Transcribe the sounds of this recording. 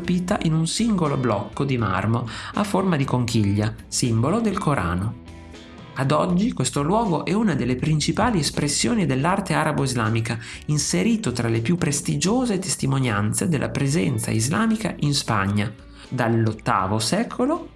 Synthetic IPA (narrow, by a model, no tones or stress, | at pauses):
piːt̪aʔinunsiŋɡoloblɔ̰kːod̪ima̰rmoa̰fːormad̪ikoŋkiʎːasimbolod̪elkoɾʔa̰ːno | ad̪ɔd͡ʒːikwest̪olwɔːɡoʔɛunad̪elːepɾint͡ʃipaːliespɾesːjoːnid̪elːart̪eaɾaboizlaːmika | inseɾiːt̪ot̪ɾalepjupːɾest̪id͡ʒoːzet̪est̪imonjant̪sed̪elːʔa̰pɾezɛnt̪sa̰izlaːmikaʔinspa̰ɲːa | d̪alːot̪ːa̰ːvosɛːkʰolo